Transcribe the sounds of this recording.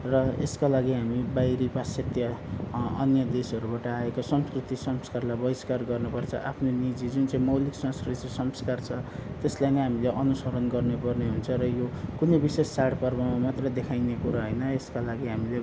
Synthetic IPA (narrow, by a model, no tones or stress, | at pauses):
rʌḛskalaɡiɦamibajɾipaset̪jʌ | ʌ̰njʌd̪esʌɾubaʈʌaekosʌmskrit̪isʌmskarlajbʌiskarɡʌrnupʌrt͡sʰʌ̰ʔapʰnonid͡zid͡zunt͡saĩmʌwliksʌ̃ŋskrit̪isʌmskart͡sʰʌt̪eslajnʌjɦamileʔʌnusʌɾʌnɡʌrnepʌrneɦunt͡sʰʌɾʌjokunejbisesːaɽpʌrbʌmamat̪rʌd̪ekʰajnekuɾaɦʌjnʌeskalaɡiɦamile